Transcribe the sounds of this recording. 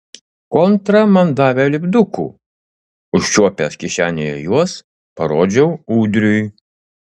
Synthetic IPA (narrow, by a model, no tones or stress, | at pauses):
kɔnt̪ɾɐmɐnd̪ɑːʋʲɛlʲɪbd̪ʊkṵː | ʊʃʲt͡ʃʲuɔpʲɛskʲɪʃʲæːnʲejojuɔs | pɐɾoːd͡ʒʲɛʊuːd̪ʲɾʲʊj